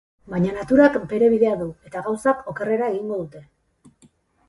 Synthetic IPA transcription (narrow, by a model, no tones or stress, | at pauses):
bajɲanat̪uɾakbe̞ɾe̞β̞iðe̞aðue̞t̪aɣawsako̞kere̞ɾae̞ɣiŋɡo̞ðut̪e̞